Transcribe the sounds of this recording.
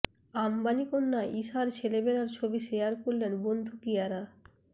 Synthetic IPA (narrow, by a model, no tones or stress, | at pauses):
ambanikonːaʔiʃaɾt͡ɕʰelebelaɾt͡ɕʰobiʃejaɾkoɾlenbond̪ʱukijaɾa